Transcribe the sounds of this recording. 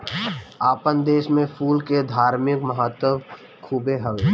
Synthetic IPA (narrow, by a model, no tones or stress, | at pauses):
aːpənd̪eːʃmẽpʰuːlked̪ʱaːɾmɪkməɦat̪ːəʋ | kʰuːbeɦəʋ